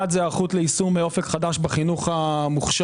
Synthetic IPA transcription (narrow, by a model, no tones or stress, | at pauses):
atzeaʁχut̪leisumeo̞fekχadaʃbaχinuχamuχʃ